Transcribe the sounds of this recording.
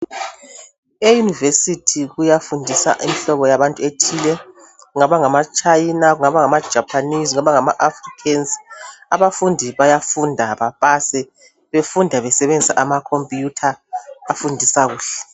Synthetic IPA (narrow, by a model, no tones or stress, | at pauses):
ejunivesitʰiɣujafundʱisa̰ʔimiɬɔβɔjaβantʼuetʰiːlɛ | ɣuŋaβaŋamat͡ʃʼainaɣuŋaβaŋamḁʒ̥ʱapʰanizuŋaβaŋamaʔafrikʰɛnsaβafundʱiβajafundʱaβapʼasɛ | βefundʱaβɛsɛβend͡zʱsa̰ʔamakʰompʼjutʰaːfundʱisaɣuːɬɛ̥